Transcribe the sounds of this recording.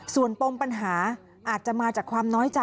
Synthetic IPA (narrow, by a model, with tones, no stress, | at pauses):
su˨˩ənpo˧ŋpa˧nɦaː˩˦ | ʔaː˨˩t̪̚t͡ɕa˨˩maː˧t͡ɕaː˨˩kʰwaː˧mnɔː˦˥jt͡ɕa˧